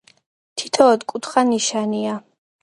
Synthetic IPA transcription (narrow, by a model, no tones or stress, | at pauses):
t̪ʰi̥t̪ʰɔːd̪kʼut̪χaniʃania